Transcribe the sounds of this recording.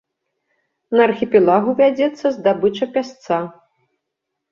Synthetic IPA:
nɐrxʲipʲɛlˠaɣuvʲad͡zʲɛt̪sːɐzd̪abɨt͡ʂɐpʲast̪sa

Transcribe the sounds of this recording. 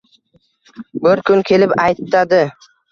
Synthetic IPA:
bɪɾkʰʊnkʲʰe̞lɪpajt̪ʰːad̪ɪ

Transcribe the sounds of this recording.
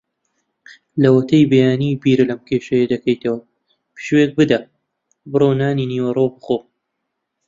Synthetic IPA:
lɐwɐt̪ʰɐjbɐjaːniːbiːɾɨlɐmkʰeːʃɐjed̪ɐkɐjt̪ɐwɐ | pi̥ʃweːk̚bɨd̪ɐ | bɨroːnaːniniwɐroːbɨxoː

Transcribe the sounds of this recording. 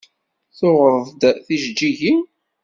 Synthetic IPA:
θʊʁɾˤðˤd̪θiʒd͡ʒiʝin

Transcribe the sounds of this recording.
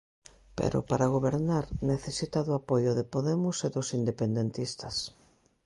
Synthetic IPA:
pḛɾo̰paɾaɣ̞oβeɾnaɾneθesit̪aðʊapojʊðepoðemʊseðosind̪epend̪ent̪ist̪as

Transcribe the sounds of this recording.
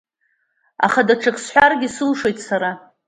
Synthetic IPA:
a̰χadaʈ͡ʂʰɨqʼsħʷarɡʲɪsɨlʂe̞jtʼsaɾa

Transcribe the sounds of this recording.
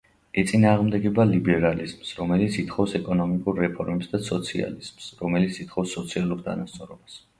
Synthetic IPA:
ɛt̪sʼinaːʁmd̪ɛɡɛbalibɛɾalizmsɾɔmɛlit̪sʰit̪χɔfsɛkʼɔnɔmikʼuɾːɛpʰɔɾmɛpsd̪asɔt̪sʰia̰liz̥msɾɔmɛlit̪sʰit̪χɔfsːɔt̪sʰialˠuɾt̪ʰa̰nast̪sʼɔɾɔbas

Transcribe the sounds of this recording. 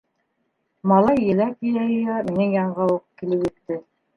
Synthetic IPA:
mɑlˠɑjːɘ̆lækĭjæjŏjɑminɘŋjɑɴʁɑuqkilɘpjɘ̆t̪ːɘ

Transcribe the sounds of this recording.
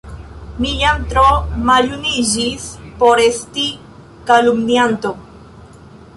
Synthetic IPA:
mijamt̪ɾomaʎunid͡ʒispoɾesti | kalumniant̪o

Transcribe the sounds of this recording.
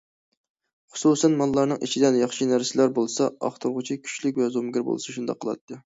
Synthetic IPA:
χʊ̥susɛnmɑnlˠːɑɾnɨŋʔḭt͡ʃʰid̪ɛnjɑχʃinæɾsɪlæɾbolˠɨsɑɑ̰χt̪ɨɾʁʊt͡ʃʰikʲʰy̥t͡ʃlɪkʲvɛzomɡʲɪɾbo̰lˠɨsɑʃund̪ɑ̰qʰːəlˠɑ̰t̪ʰːɨ

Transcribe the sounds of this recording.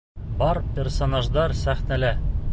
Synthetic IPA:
bɑɾpʲersonaʒd̪ɑɾsæχnælæ

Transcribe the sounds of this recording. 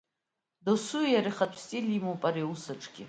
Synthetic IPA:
dosujaɾiχatʷʰstʼilimopʼaɾeusaʈ͡ʂʼɡʲɪ

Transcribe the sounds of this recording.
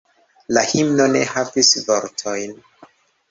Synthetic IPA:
lahimnonehavisvoɾtʰojn

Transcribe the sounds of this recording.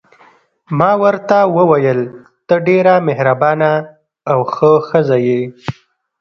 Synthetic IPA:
mɑwəɾt̪awəwajəl | t̪əɖeɾamehɾabɑnaː | wxəxəzaje

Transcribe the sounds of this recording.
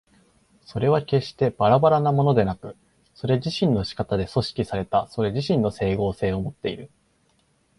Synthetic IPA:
so̞ɾe̞β̞ake̞ɕt̪e̞b̥aɾabaɾanamo̞no̞d̪e̞nakɯ̟ | so̞ɾe̞ʑiɕĩnːo̞ɕi̥kat̪ad̪e̞so̞ɕi̥kʲisaɾe̞t̪aso̞ɾe̞ʑiɕĩnːo̞se̞ːɡo̞ːse̞ːo̞mo̞t̪ːe̞iɾɯ̟

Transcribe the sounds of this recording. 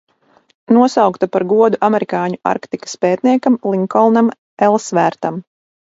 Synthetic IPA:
nuɔsawkt̪apaɾɡuɔd̪uʔamɛɾikaːɲua̰ɾkt̪ikḁspɛːt̪̚niɛkamlˠiŋkɔlˠnam | ɛlˠsvæːɾt̪am

